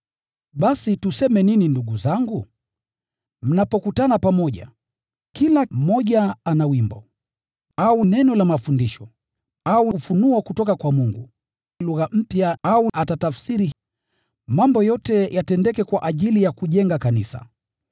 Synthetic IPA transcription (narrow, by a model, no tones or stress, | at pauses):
ɓasitusɛmɛnininduɡuzaŋɡu | m̩napɔkutanapamɔʄa̰ | kilam̩mɔʄaanawimbɔ | aunɛnɔlamafundiʃɔ | aufunuakutɔkakwamuŋɡṵ | luɣam̩pjaauʔatatafsiɾi | mambɔjɔtɛjatɛndɛkɛkwaʔaʄilijakuʄɛŋɡakanisa̰